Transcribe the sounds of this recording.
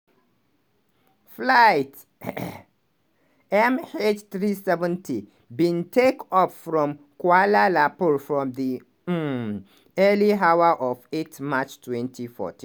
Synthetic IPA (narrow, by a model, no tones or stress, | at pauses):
flaɪt | ɛmet͡ʃθɹisɛvə̃ntʰi | bĩntʰekɔpfɹɔ̃m | kwalalapɔɹfɹɔ̃mði | ɛliɦawəʔɔvetmat͡ʃtʰwɛ̃ntʰifɔ̰tʰĩ